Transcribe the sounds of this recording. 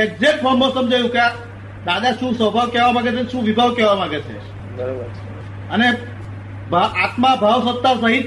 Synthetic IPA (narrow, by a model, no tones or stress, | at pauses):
ek̚zek̚ʈfʰəɾmbõsəmd͡ʒajũkea | d̪ad̪aʃũsəbʱaʋkɛʋamãɡet͡ʃʰenʃũʋibʱaʋkɛʋamãɡet͡ʃʰḛ | bəɾabəɾʰ | əne | bʱaʔat̪mabʱaʋsət̪ːasəɦit̪